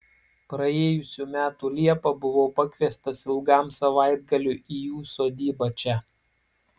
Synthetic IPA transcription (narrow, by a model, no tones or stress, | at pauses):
pɾɐeːjʊsʲuːmʲæːt̪uːlʲiɛpɐbʊʋoːpɐkʲʋʲiɛst̪ɐsɪlˠɡɑˑmsɐʋɑˑɪd̪ɡɐlʲuːˑʔijuːsoːd̪ʲiːbɐt͡ʃʲɛ